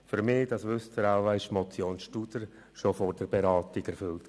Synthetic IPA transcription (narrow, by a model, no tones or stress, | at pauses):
fyɾmɪːd̥ɑsʋʏst̪əɾaʊaɪʃmɔt͡sjoːnsʃtud̥̪əɾ | ʃofɔɾdəɾbeɾɑːtiɡ̥ɛɾfʏlt